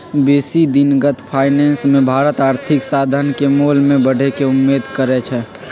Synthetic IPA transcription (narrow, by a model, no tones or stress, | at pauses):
beːsid̪ɪnɡət̪ʰpʰaːɪnɛ̃ːnsmẽbʱaːɾət̪aːɾt̪ʰɪksaːd̪ʱənkemoːlmẽbəɽ̤ʱekeʊmːeːd̪kəɾɛt͡ʃʰɛ